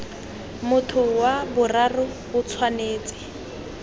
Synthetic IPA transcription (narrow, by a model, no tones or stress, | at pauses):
mʊtʰʊwabʊrarʊ | ʊt͡sʰwaneːt͡sʼɪ̥